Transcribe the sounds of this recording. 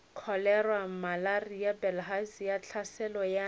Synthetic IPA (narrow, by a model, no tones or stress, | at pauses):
kʰɔlɛrwam̩malarijabɛlɦasijat͡ɬʰasɛlɔja